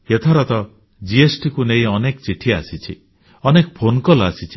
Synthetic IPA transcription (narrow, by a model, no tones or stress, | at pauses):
et̪ʰaɾɔt̪ɔ | d͡ʒiesʈikuneĩɔnekt͡ʃiʈʰia̰sit͡ʃʰḭ | ɔnekɔpʰonkɔlasit͡ʃʰi̥